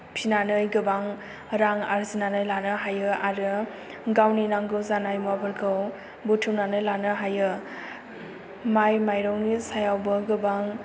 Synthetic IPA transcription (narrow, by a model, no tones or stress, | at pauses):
pʰinanɯjɡɯbaŋ | ɾaŋaɾzinanɯjlanɯɦajɯaɾɯ | ɡawninaŋɡɯzanajmuabɯɾkʰɯw | butʰuwnanɯjlanɯɦajɯ | majmajɾɔwnisajawbɯɡɯbaŋ